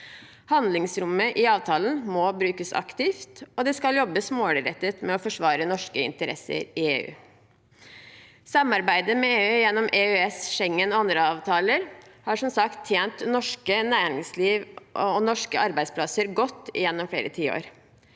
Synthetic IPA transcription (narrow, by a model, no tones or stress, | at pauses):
hɑnd̪lɪŋsɾʊmːəʔɪɑːʋt̪ʰɑːlənmobɾʉːkəsɑ̰kt̪ɪft̪ɔd̪ɛskɑljɔbəsmoːɽɪɾɛt̪ːət̪mɛɔfɔʂʋɑːɾənɔʂkəɪ̰nt̪əɾʔɛ̰sə̰ɾɪḛːʉ̰ː | sɑmɑɾbæɪd̪əmɛeːʉːjɛnːɔmʔeːʉɛsʃɛŋːənɔːɑnd̪ɾəɑːʋt̪ʰɑːləɾhɑːʂɔmsɑkt̪ʰːjeːnt̪nɔʂkənæːɾɪŋsliːʋʔɔnɔʂkəɑɾbæɪd̪spʰlɑsəɾɡɔt̪ːɪ̰jɛnːɔmfɽḛːɾət̪ʰiːo̰ːɾ